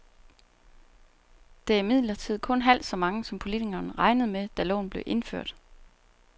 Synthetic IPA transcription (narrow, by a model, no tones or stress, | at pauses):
d̥e̝æmið̰ˠlɐt͡sʰið̞̰ˠkʰɔ̽nɦæl̰d̥sɒ̽mɑ̈ŋəsɒ̽mpʰo̝lit͡siɡ̥ɐːnʁɑ̈ɪnəð̞̩ˠmed̥ælɔ̰ːn̩ble̝ʔe̝nføɐ̰d̥